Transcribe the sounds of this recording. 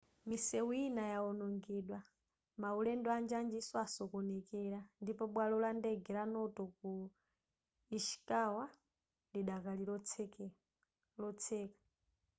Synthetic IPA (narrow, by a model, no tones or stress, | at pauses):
misɛwuinajaɔnɔŋɡɛːɗwa | maulɛndɔand͡ʒand͡ʒisɔasɔkɔnɛkɛɾandipɔɓwalɔlandɛɡʱɛɾanɔtɔku | iʃi̥kawa | liɗakalilɔt͡sʰɛ | lɔt͡sʰɛːkḁ